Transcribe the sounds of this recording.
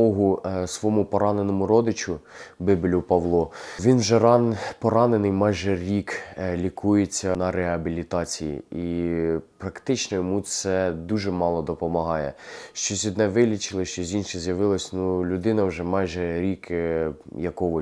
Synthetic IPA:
ɔɦʊsʋɔmupɔɾɑnenɔmʊɾɔd̪ɪt͡ʃʊbɪbɪlʲʊpɐʋlˠɔʋʲinwʒɛɾɑnpɔɾɑnenɪjmɑjʒɛɾʲiklʲikujet͡sʲːɐnɐɾeɦɐbʲilʲit̪ɑt͡sʲijḭipɾɐkt̪ɪt͡ʃnɔjɔmusɛd̪uʒɛmɑlˠɔd̪ɔpɔmɐɦɑjɛʃt͡ʃɔzʲʋʲid̪nɛʋɪlʲit͡ʃɪlˠɪʃt͡ʃɔzʲinʃɛzʲjɐʋɪlˠɐsʲnulʲʊd̪ɪnɐwʒɛmɑjʒɛɾʲik | jɐkɔʋɔ

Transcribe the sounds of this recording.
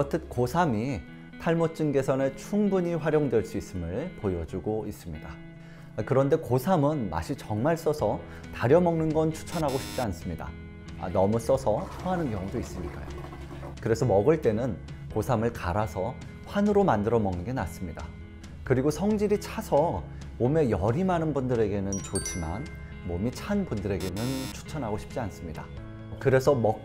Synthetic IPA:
ʌtʰɯt̚kosʰami | tʰaɭmot̚t͡ɕ͈ɯnɡe̞sʰʌne̞t͡ɕʰuŋbuɲiɸwaɾjoŋdwe̞ɭs͈uis͈ɯmɯɭpojʌd͡ʑuɡois͈ɯmɲida | kɯɾʌnde̞kosʰamɯnma̰ɕʰit͡ɕʌŋmaɭs͈ʌsʰʌ | taɾjʌmʌŋnɯnɡʌnt͡ɕʰu̥t͡ɕʰʌnɦaɡoɕʰi̥p̚t͡ɕ͈ians͈ɯmɲida̰ | a̰nʌmus͈ʌsʰʌhʰaɦanɯnkjʌŋudois͈ɯmɲik͈a̰jo̰ | kɯɾe̞sʰʌmʌɡɯɭt͈e̞nɯn | kosʰamɯɭkaɾasʰʌ | ɸwanɯɾomandɯɾʌmʌŋnɯnɡe̞nas͈ɯmɲida̰ | kɯɾiɡosʰʌŋd͡ʑiɾit͡ɕʰasʰʌ | mome̞jʌɾimanɯnbundɯɾe̞ɡe̞nɯnt͡ɕot͡ɕʰima̰n | momit͡ɕʰanbundɯɾe̞ɡe̞nɯnt͡ɕʰu̥t͡ɕʰʌnɦaɡoɕʰi̥p̚t͡ɕ͈ians͈ɯmɲida̰ | kɯɾe̞sʰʌmʌk̚

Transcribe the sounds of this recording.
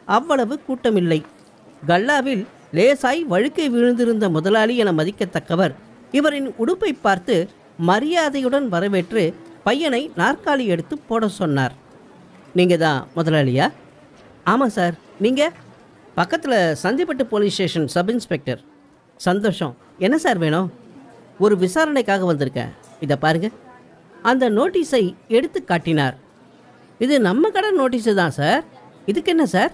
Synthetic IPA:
ɐʋːɐɭɐʋɯkuːʈːɐmɪlːɐɪ | ɡɐɭːaːʋɪl | leːsaːjʋɐɻɯkːɐɪʋɪɻɯnd̪ɪɾɯnd̪ɐmʊðɐlaːlɪɛnɐmɐðɪkːɐt̪ːɐkːɐʋɐɾ | ɪʋɐɾɪnʊɽɯpːɐɪpːaːɾt̪ɯ | mɐɾɪjaːðɐjɯɽɐnʋɐɾɐʋeːʈrɯpɐjːɐnɐɪnaːrkaːlɪɛɽɯt̪ːɯpːoːɽɐsɔnːa̰ːɾ | niːŋɡɐðã̰ːmʊðɐlaːlɪ̰jaː | aːmãːsaːɾ | niːŋɡɐ | pɐkːɐt̪ːɪlɐsɐnd̪ɪpːɐʈːɯpoːlisʈeːʂɐnsɐbɪnspɛk̚ʈɐɾ | sɐnd̪oːʂɐ̰̃ | ɛnːɐsaːɾʋeːɳʊ̃ | ɔɾɯʋɪsaːɾɐnɐɪkːaːɣɐʋɐnd̪ɯɾɯkːḛ̃ːɪðɐpaːɾɯŋɡɐ | ɐnd̪ɐnoːʈːiːsɐɪɛɽɯt̪ːɯkːaːʈːɪnaːɾ | ɪðɯnɐmːɐkɐɽɐnoːʈ̬ːiːs̬ɯt̪ãːsaːɾɪðɯkːɛnːɐsaːɾ

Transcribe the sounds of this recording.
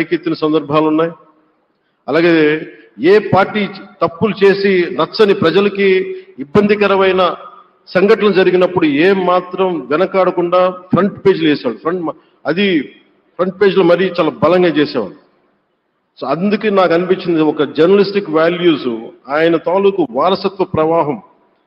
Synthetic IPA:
ɐjket̪ːunɐsɐnd̪ɐɾbʱaːlunːaːj | ɐlaːɡeː | eːpaːɾʈiːt̪ɐpːulut͡ʃe̞ːsinɐsɐnipɾɐd͡ʒɐlɐkiːbːɐnd̪ʱikɐɾɐʋɐjnɐ | sɐŋɡɐʈɐɐmd͡ʒɐɾiɡinɐpːuɽueːmaːt̪ɾɐmʋɛnɐkaːɽɐkuɳɖaːpʰɾɐɳʈpe̞ːd͡ʒleːsɛaːɽupʰɾɐɳm | ɐd̪i | pʰɾɐɳʈ̚peːd͡ʒlɐmɐɾit͡ʃaːlaːbɐlɐŋɡaːt͡ʃeːsɛːʋa̰ːɽu | soɐnd̪ukeːnaːkɐnipiɲt͡ʃːind̪ɔkɐd͡ʒɐɾnɐlisʈikʋaːljuːsuaːjɐnɐt̪aːlukuʋaːɾɐsɐt̪ʋɐpɾɐʋaːɦɐm

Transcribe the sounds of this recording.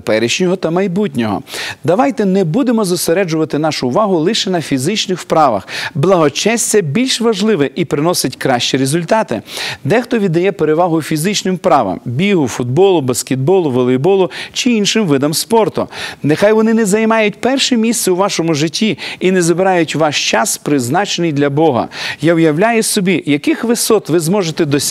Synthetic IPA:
pɛɾɪʃnʲɔɦɔt̪ɐmɐjbutʲnʲɔɦɔ̰d̪ɐʋɑjt̪ɛnɛbud̪emɔzɔseɾɛd͡ʒʊʋɐt̪ɪnɑʃʊːʋɑɦʊlˠɪʃɛnɐfʲizɪt͡ʃnɪxwpɾɑʋɐ̰xblˠɐɦɔt͡ʃɛsʲt͡s̪ʲɛbʲilʲʃʋɐʒlˠɪʋɛʔipɾɪnɔsɪtʲkɾɑʃt͡ʃiɾezʊlʲt̪ɑt̪ɪ̰d̪ɛxt̪ɔʋʲid̪ɐjɛpeɾeʋɑɦʊfʲizɪt͡ʃnɪmpɾɑʋɐ̰mbʲiɦʊfʊd̪̚bɔlˠʊbɐskʲed̪̚bɔlˠʊʋɔlˠɪbɔlˠʊt͡ʃɪinʃɪmʋɪd̪ɐmspɔrt̪ʊnexɑjʋɔnɪnɛzɐjmɑjʊt̚ʲpɛrʃɛmʲist̪sɛʊʋɑʃɔmʊʒɪtʲːiinɛzɐbɪɾɑjʊtʲʋɑʃt͡ʃɑspɾɪznɑt͡ʃenɪjd̪lʲɐbɔɦɐ̰jawjɐwlʲajʊsɔbʲijɐkɪxʋɪsɔt̪ʋɪzmɔʒet̪ɛd̪ɔ

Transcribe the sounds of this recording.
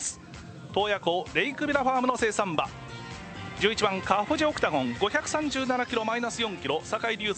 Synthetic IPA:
sɨ̥ | t̪o̞ːjako̞ːɾe̞ikɯ̟bʲiɾaɸaːmɯ̟no̞se̞ːsãmba̰ | d͡ʑɨːit͡ɕimãŋkaɸoʑio̞kɯ̟̥t̪aɡõ̞ŋɡo̞çʲakɯ̟̥sãɲ̟d͡ʑɨːnanakʲiɾo̞mainasɨjõ̞ŋkʲiɾo̞sakaiɾʲɯ̟ː

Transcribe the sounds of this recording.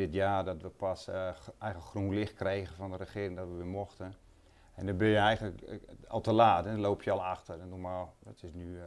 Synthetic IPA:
ɪtjaːdɔtʋəpʰasɛjɣələkxrunlɪxkrejɣəfɔndərəxɪəɾɪŋdɔtʋəʋɪmoxtən | ɛndɔbɪnjəɛjɣənləkɔ̰lˠtəlaːtɛloːpʰjəɔlˠaxtərɛndumaldɔtɪsny

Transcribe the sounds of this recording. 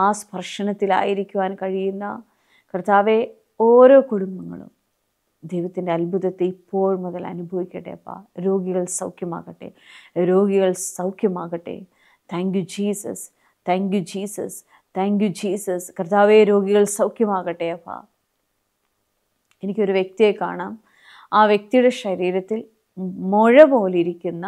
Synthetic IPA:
aːspɐrʂɐnɐt̪ːila̰ːjiɾikʲːuʋaːnkɐɻijunːɐ̰ | kɐrt̪aːʋe̞ | oːɾo̞ːkuɽumbɐŋːɐ̰ɭṵm | d̪ejʋɐt̪ːindeɐlbʱuðɐt̪ːeipːo̞ːɻmɔðɐlɐ̰nubʱɐʋikʲːɐʈːḛːɐpːa̰ːɾo̞ːɡiɣɐɭsɐwkʰjɐma̰ːɣɐʈːḛːɾo̞ːɡiɣɐɭsɐwkʰjɐmaːɣɐʈːḛ | t̪ʰaːŋkjud͡ʒiːsɐ̰s | t̪ʰaːŋkjud͡ʒiːsɐ̰s | t̪ʰaːŋkjud͡ʒiːsɐskɐɾɐt̪aːʋeːɾoːɡiɣɐɭsɐwkjɐmaːɣɐʈːeɐpːa̰ː | enikʲːo̞ɾuʋjek̚t̪ijeka̰ːɳaːm | aːʋjek̚t̪ijuɽeʃɐɾiːɾɐt̪ːil | mɔɻɐboːliɾikʲːunːɐ

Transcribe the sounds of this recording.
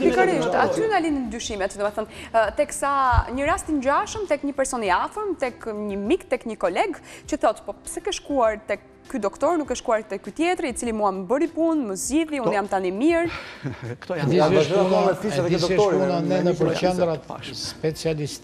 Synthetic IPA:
likaɾiʃt̪at̪ynalinənd̪ɾyʃimɛt̪d̪ɔmɛθɔnt̪ɛksaɲəɾast̪iɲd͡ʑaʃəmt̪ɛkɲəpɛɾsɔniafɾəmt̪ɛkɲəmikt̪ɛkɲəkɔlɛɡt͡ɕəθɔt̪pɔsɛkɛʃkuaɾt̪ɛk | kːyd̪ɔkt̪ɔɾnukːɛʃkuaɾt̪ɛkːyt̪jɛt̪ɾit͡silimuaməbəɾipunməzɟiðiunnijamt̪animiɾ | ɛd̪iɛʃunasɛpunanɛnəp̬əɾɛnd̪ɾat̪spɛt͡sialist̪

